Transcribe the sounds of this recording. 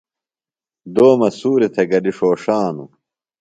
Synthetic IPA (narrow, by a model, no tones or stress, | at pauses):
d̪oːmɐsuːɾit̪ʰeɡɐliʂoːʂaːnu